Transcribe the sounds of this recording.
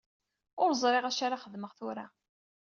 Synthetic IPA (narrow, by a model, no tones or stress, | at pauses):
ʊɾzˤɾˤeʁæʃaɾaχəðməʁθʊɾa